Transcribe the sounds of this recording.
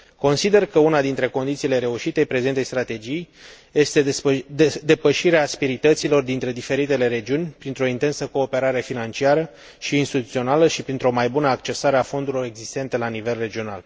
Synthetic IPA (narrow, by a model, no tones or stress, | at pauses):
ko̞nsid̪e̞rkəunad̪int̪ɾe̞ko̞nd̪it̪siːle̞ɾe̞uʃit̪e̞jpɾe̞zent̪ejst̪ɾat̪e̞d͡ʒij | je̞st̪e̞ | d̪e̞pəʃiɾeaspiɾit̪ət̪silo̞rd̪int̪ɾe̞d̪ife̞ɾit̪e̞le̞ɾe̞d͡ʒiunʲpɾint̪ɾo̞int̪e̞nsəko̞ːpe̞ɾaɾe̞finant͡ʃiaɾə | ʃiːnst̪it̪ut̪sio̞naləʃipɾint̪ɾo̞majbunəakt͡ʃe̞saɾeafo̞nd̪uɾilo̞ɾe̞ɡzist̪e̞nt̪e̞lanive̞lre̞d͡ʒio̞na̰l